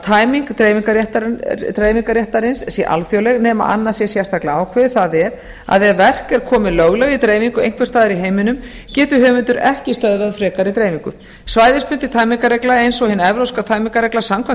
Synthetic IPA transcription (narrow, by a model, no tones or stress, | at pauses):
t̪ʰaːjmiŋkt̪ɾeːjviŋkaɾjɛht̪aɾt̪ɾejviŋkaɾjɛht̪aɾɪnssjɛʔa̰lfjowlɛɣnɛːma̰ʔa̰nːḁsjɛsjɛst̪aklaawkʰvɛ̥θaðɛɾ | a̰ðɛvɛr̥kɛɾkʰɔːmɪløɣlɛɣit̪ɾejviŋkʏejŋ̥kvɛɾst̪aːðɪɾiɦeːjmɪnʏm | cɛːt̪ʏɦœːvʏnt̪ʏɾɛhcɪst̪œðvaðfɾɛːkaɾit̪ɾejmiŋkʏ̰ | svaːjðɪspʏnt̪ɪt̪ʰaːjmiŋkaɾrɛklaejnsɔɣhɪnːɛvɾowskat̪ʰaːjmiŋkaɾɛklasamkʰva